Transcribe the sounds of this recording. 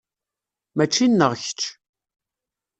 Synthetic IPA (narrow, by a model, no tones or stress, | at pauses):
mæt͡ʃːinːəʁçə̥t͡ʃː